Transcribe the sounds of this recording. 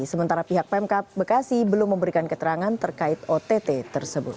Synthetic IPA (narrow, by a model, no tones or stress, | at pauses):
səmənt̪aɾapiɦak̚pɛmkap̚bərkasɪhbəlʊmːəmbəɾikankət̪əɾaŋant̪ərkaɪt̪̚ot̪et̪et̪ərsəbʊt̪̚